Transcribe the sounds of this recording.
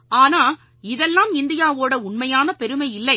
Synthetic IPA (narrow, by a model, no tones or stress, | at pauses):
aːnaː | ɪðɛlːaːmɪnd̪ɪjaːʋoːɽɐʊɳmɐjaːnɐpɛɾɯmɐɪjɪlːɐɪ